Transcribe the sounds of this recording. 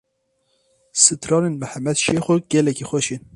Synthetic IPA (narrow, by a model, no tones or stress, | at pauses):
sɨt̪ʰɾɑːɾenmɛhæmɛd̪ʃexʷoɡ̥ɛlɛkʲixʷɛʃin